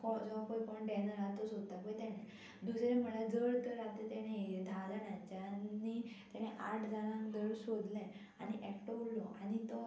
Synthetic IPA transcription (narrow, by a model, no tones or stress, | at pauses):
kɔd͡zɔkojkɔɳʈẽnəɾat̪osod̪̚t̪apəjt̪ɛnẽ | d̪usɾẽm̤əɭad͡zəɭt̪əɾat̪et̪ɛɽ̃ẽd̪ʱad͡zanãd͡ʑanːit̪aneʔaʈʰd͡zaɾãŋkd͡zəɭsod̪lɛ̃ | añiʔɛkʈuɽlɔʔaɽit̪ɔ